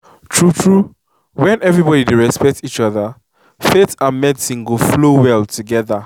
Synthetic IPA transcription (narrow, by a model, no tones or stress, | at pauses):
tʰɹutʰɹu | wɛ̃nɛvɹibɔdidiɹɛspɛk̚tit͡ʃɔðə | fetãmɛtsĩŋɡoflowɛltʰuɡɛða